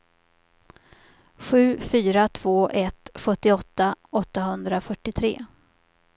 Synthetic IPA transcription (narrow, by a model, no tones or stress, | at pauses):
ɧʉ̟ːfyːɾat̪ʰv̥oːʔɛt̪ɧɵt̪ːɪɔt̪ːaɔt̪ːaɦɵnd̪ɾafœʈːɪt̪ʰɾḛː